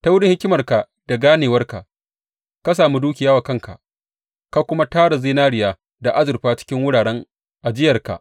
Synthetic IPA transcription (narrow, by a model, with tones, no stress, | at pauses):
ta˦wʊ˦ɽɪ˦ŋhɪ˦kʲɪ˦mɐ˨rka˨ | d̥a˨ɡaː˦neː˨wɐ˦rka̰˨ʔ | ka˦s̬aː˨mu˦duː˦kʲɪ˨jaː˦wa˨kɐ˦ŋka̰˨ʔ | ka˨kʷʊ˦ma˦taː˦ɽa˨ziː˦naː˦ɽɪ˨jaː˦ | da˨ʔa˦zʊ˨rɸaː˦t͡ʃɪ̥˦kʲɪ˦ŋwʊ˦ɽaː˨ɽɛ˦ŋ | ʔa˨d͡ʒɪ˦jɐ˨rka̰˨ʔ